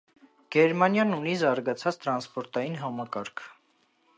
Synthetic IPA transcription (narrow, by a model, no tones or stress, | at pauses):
ɡ̥ɛɾmɑnjɑnunizɑɾɡɑt͡sʰɑt͡st̪ɾɑnspɔɾt̪ɑjinɦɑmɑkɑɾkʰ